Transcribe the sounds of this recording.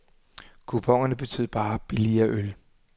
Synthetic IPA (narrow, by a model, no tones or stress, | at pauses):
kʰupʰɒ̽ŋ̰ɐnəb̥e̝t͡sʰy̰ːð̰ˠb̥ɑ̈ːb̥iliɐʔøl